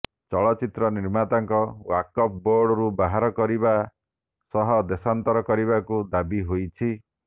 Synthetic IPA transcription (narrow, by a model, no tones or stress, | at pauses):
t͡ʃɔɭɔt͡ʃit̪ɾɔniɾmat̪aŋkɔwakɔp̚boɾɽɔɾubaɦaɾɔkɔɾiba | sɔɦɔd̪esant̪ɔɾɔkɔɾiβakud̪abiɦojt͡ʃʰi